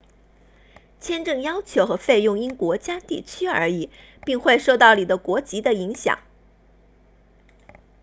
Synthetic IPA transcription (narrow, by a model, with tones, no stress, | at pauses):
t͡ɕʰjɛ˥nʈ͡ʂɤ˥˩ŋjɑ˥ʊt͡ɕʰjo˧˥ʊxɤ˧˥fe˥˧ɪjʊ˥˩ŋi˥nkwɔ˧˥t͡ɕja˥t̪i˥˩t͡ɕʰy˥ə̰˞˧˥i˨˩˦ | pi˥˧ŋxwe˥˧ɪʂo˥˧ʊt̪ɑ˥˩ʊni˨˩d̪ə˦kwɔ˧˥t͡ɕi˧˥d̪ə˧i˧˥ŋɕjɑ̰˨˩˦ŋ